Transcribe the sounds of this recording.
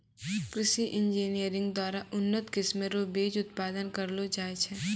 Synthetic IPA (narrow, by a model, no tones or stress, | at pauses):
kɾɪʃiʔɪ̃nd͡ʒiːnijəɾɪ̃ŋɡd̪waːɾaʔʊnːət̪kɪsmeɾoːbeːd͡ʒʊt̪̚paːd̪ənkɐɾlod͡ʒaːet͡ʃʰɛː